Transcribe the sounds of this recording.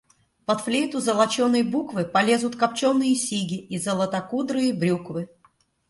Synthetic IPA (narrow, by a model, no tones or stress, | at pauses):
pɐt̪flʲejt̪ʊzəlˠɐt͡ɕo̞nːəjbukvɨpɐlʲe̞zʊt̪kɐp̚t͡ɕo̞nːɨjəsʲiɡʲɪizəlˠət̪ɐkud̪ɾɨjəbɾʲukvɨ